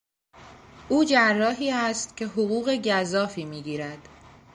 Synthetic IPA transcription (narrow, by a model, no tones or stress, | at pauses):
ʔuːd͡ʒærːɒːɦiːæst̪cʰe̞ɦoɣuːɣe̞ɟæzɒːfiːmiːɟiːɾæd̪̥